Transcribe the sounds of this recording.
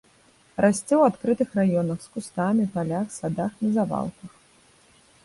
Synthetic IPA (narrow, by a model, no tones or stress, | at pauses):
rʔasʲt͡sʲɛwat̪kɾɨt̪ɨxrajɔnɐxskust̪amʲipalʲaxsad̪axnɐzava̰lˠkɐx